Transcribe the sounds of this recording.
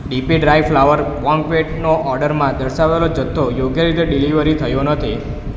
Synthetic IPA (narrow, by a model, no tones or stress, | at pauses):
ɖipiɖɾajflaʋəɾbɔ̃ŋkʋeʈnoʔɔɾɖəɾmãd̪əɾʃaʋelod͡ʒət̪ʰːojoɡjəɾit̪eɖiliʋəɾit̪ʰəjonət̪ʰi